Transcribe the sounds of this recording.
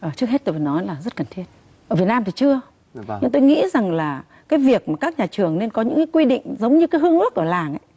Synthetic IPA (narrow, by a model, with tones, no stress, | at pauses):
ʔəː˨˩t͡ɕɨ˦˥ək̚he˦˥t̚t̪o˧jvəː˧˩nɔ˨˦laː˨˩zə˦˥t̚kə˨˩nt̪ʰi˦˥ət̚ | əː˧˩vi˨˩ət̚naː˧mt̪i˨˩t͡ɕɨ˧ə | ɲɨ˧ŋt̪o˧jŋḭ˧˥za˨˩ŋlaː˨˩ | kaː˨˦jvi˨˩ək̚maː˨˩kaː˦˥k̚ɲaː˨˩t͡ɕɨ˨˩əŋne˧nkɔ˨˦ɲɨ̰˧˥ŋkaː˨˦jkwi˧ɗḭ˧˨ŋ̟zə˨˦wŋ͡mɲɨ˧kaː˨˦ɦɨ˧əŋʔɨ˦˥ək̚ʔəː˧˩laː˨˩ŋʔa̰˨˦